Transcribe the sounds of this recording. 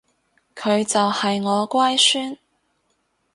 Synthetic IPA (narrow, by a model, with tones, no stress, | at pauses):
kʰɵ˨˧ɥt͡sɐ˨whɐ˨jŋɔː˨˧kwaː˥jsyː˥n